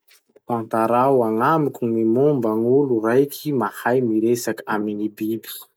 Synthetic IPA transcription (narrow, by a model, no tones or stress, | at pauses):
pãnt̪aɾawaŋamikʲunimumbaŋulurajkʲʰimahajmiɾesakḁaminibibi̥